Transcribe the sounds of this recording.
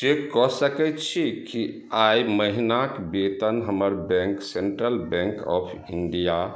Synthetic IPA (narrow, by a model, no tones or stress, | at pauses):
d͡ʒekɔsəkɛt̪t͡ʃʰiki | ajməɦinakbet̪ənɦəməɾbɛ̃ŋkseɳʈɾəlbɛ̃ŋkɔ̰pʰ | iɳɖija